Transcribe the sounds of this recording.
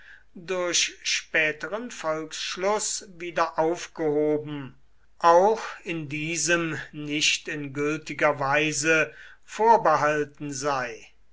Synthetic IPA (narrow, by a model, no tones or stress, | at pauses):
dʊɐɕʃpɛːtəʁənfɔlksʃlʊsviːdɐʔaʊfɡ̥əhoːbm̩ | ʔaʊxɪndiːzəmnɪʃtɪnɡʏltɪɡɐvaɪzəfoːɐbəɦaltn̩zaɪ